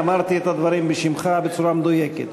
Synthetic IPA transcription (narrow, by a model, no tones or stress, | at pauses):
amaɾt̪iɛt̪ad̪vaɾimbiʃimχabet͡suɾamd̪ojekḛt̪